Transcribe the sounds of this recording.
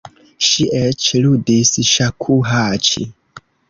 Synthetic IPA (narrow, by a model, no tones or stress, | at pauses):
ʃiʔɛt͡ʃludisʃakʰuɦat͡ʃḭ